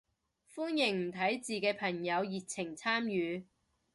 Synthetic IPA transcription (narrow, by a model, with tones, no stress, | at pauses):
fuː˥njɪ˨˩ŋm̩˨˩t̪ʰɐ˨˥jt͡siː˨kɛː˧pʰɐ˨˩ŋjɐ˨˧wjiː˨t̚t͡sʰɪ˨˩ŋt͡sʰaː˥mjyː˨˧